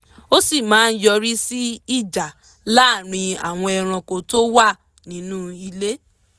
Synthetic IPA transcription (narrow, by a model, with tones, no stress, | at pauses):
o˦si˦˨mãː˨˦n̩˦jɔ˧ɾi˦si˦i˦˨d͡ʒa˨ | la˦˨ɾ̃ĩ˧a̰˨w̃ɔ̃˧ɛ˨ɾ̃ã˧ko˨to˦wa˦˨ | nĩ˨˦nũ˦i˧le˦